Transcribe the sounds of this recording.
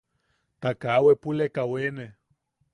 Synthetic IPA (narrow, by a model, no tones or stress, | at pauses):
t̪akawepulekawene